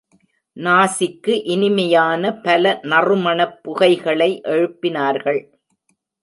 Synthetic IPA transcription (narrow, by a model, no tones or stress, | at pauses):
naːsɪkːɯʔɪnɪmɐjaːnɐpɐlɐnɐrɯmɐɳɐpːʊɣɐɪɣɐɭɐɪʔɛɻɯpːɪnaːɾɣɐɭ